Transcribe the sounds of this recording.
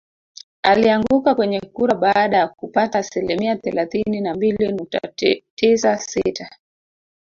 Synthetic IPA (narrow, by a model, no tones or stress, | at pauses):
aliaŋɡukakwɛɲɛkuɾaɓaɗajakupataːsilimiaθɛlaθininambilinuk̚ta̰tisasitʰa